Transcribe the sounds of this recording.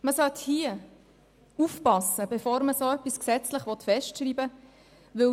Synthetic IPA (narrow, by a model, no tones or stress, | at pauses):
məsœt̪hiə | ufpɑsəbefoːɾməsoːœpːisksɛt͡sləχʋɔt̪fɛʃtʃɾiːbə | ʋɵ